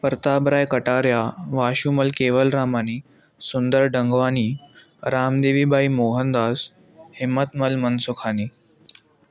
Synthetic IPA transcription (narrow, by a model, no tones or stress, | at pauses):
pəɾt̪abɾajkəʈaɾjaʋaɕuməlkeʋəlɾamaniː | sund̪əɾɖəŋɡʋaniː | ɾamd̪eʋiːbʱaimoɦənd̪as | himːət̪məlmənsukʰani